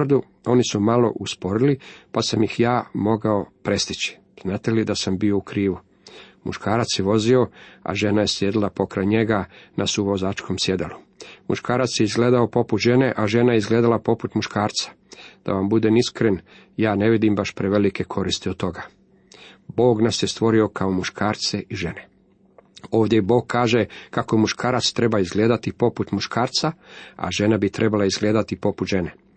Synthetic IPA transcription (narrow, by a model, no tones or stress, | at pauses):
rd̪u | o̞nisumalo̞̰ʔuspo̞ɾilipasamjixjaːmo̞ɡao̞pɾe̞st̪it͡ɕi̥ | z̥naːt̪e̞lid̪asambio̞ukɾiːʋu | mṵʃkaːɾat̪sjeʋo̞zio̞a̰ʒe̞naje̞sljed̪ilapo̞kɾajɲe̞ɡanasuʋo̞zaːt͡ʃkʰo̞msje̞d̪elumuʃkaːɾat̪sjeizɡled̪aopo̞put̪ʒe̞ne̞ʔaʒe̞ːnajeizɡle̞ːd̪alapo̞put̪muʃkaːɾt̪sḁ | d̪̥a̰ʋambud̪eniskɾen | jaːne̞ʋid̪imbaʃpɾeʋelike̞kʰo̞ɾist̪iot̪t̪ːo̞ɡa | bo̞ːɡnasjest̪ʋo̞ɾio̞kaomuʃkʰaːɾt̪seʔiʒe̞ne | o̞ːʋd̪jebo̞ːɡ̚kʰːaːʒekako̞muʃkʰaːɾat̪st̪ɾe̞baizɡle̞ːd̪at̪ipo̞put̪muʃkaːɾt̪saa̰ʒe̞nabit̪ɾʔe̞balaizɡleːd̪at̪ipo̞put̪ʒe̞ne